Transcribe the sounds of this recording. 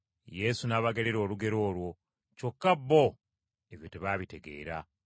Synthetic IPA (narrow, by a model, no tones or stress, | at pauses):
je̞sunaːβaɡeleɾo̞ːluɡe̞ɾo̞ːlwo̞ | co̞kːabːo | eβjoteβaːβite̞ɡe̞̰ːɾa̰